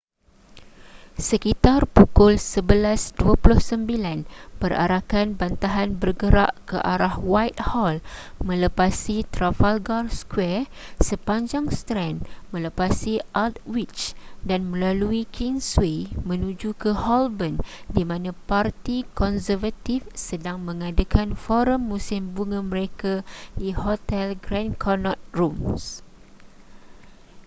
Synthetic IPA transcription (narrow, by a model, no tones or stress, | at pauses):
səkit̪arpukʊlsəbəlasduapulʊhsəmbilanbəra̰ɾakanbant̪aɦanbərɡəɾa̰ʔkəʔaɾahwajt̪̚hɔlmə̃ləpasit̪ɾafalɡarskwɛr | səpaɲd͡ʒaŋst̪ɾɛnmə̃ləpasiʔat̪̚wit͡ʃdanmə̃laluikʰiŋswemə̃nũd͡ʒukəhɔlbəndimãnãpart̪ikɔnsərvat̪ifsədaŋmə̃ŋadakʰanfɔɾəmːusɪmbuŋãməɾekadihot̪ɛlɡɾãnkʰɔnɔt̪̚rums